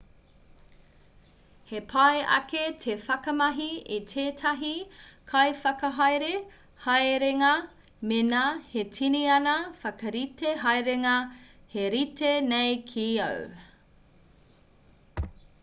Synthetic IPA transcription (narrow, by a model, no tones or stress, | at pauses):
hepʰɐjʔɐ̰ketʰefɐkɐmɐɦiitʰeːtʰɐɦikʰɐjfɐkɐɦɐjɾe | hɐjɾeŋɐ | menahetʰiniɐnɐfɐkɐɾitʰeɦɐjɾeŋɐheɾitenejkʰiɐ̰w